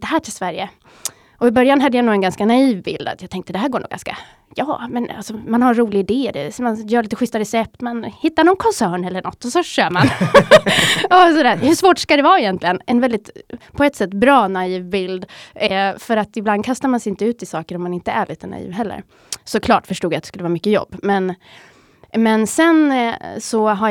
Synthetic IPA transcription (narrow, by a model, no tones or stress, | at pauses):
d̥̪ɛɦæːʈʰɪlsvæɾjə̰ | ɔɪbœɾjanɦad̪ːəjanuːɛnɡanskanaiːvbɪ̰ld̪a̰t̪jat̪ʰɛŋkt̪əd̪ɛɦæːɾɡoːɳṵːɡa̰nska̰ | jɑːmɛna̰lsɔmanhaɾɾuːlɪɡaɪd̪eːd̪ɛ̰manjœːɭiːt̪əɧʏst̪aɾɛsɛp̚t̪mɛnhɪt̪ːaɾɳɔnkʰɔnsæːɳɛlːəɳɔ̰t̪ːɔsɔɕøːman | ɔsɔd̪æːɾhɵʂvoːʈʂkad̪ɛvɑːɛjɛnt̪lɪɡənɛnvɛld̪ɪt̪pʰɔɛt̪ːsɛt̪ːbɾɑːnaiːvbɪld̪ | fœɾat̪ɪbland̪̚kʰast̪aɾmansɛɪnt̪əʉ̟ːt̪ɪsɑːkəɾɔmːanɪnt̪əæ̰ɭʔiːt̪əna̰ḭːvɦɛlːə̰ɾ | sɔkʰlɑːʈfœʂʈuːɡjat̪ɛskɵlːəvɑːmʏkːəjɔ̰bːmɛn | mɛnsɛnsɔɦa